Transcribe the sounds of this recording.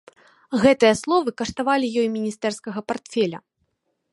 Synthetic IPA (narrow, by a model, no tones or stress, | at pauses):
ɣɛt̪ɨjɐslˠɔvɨkɐʂt̪avalʲijɔjmʲinʲist̪ɛrskɐɣɐpart̪fʲɛlʲɐ̰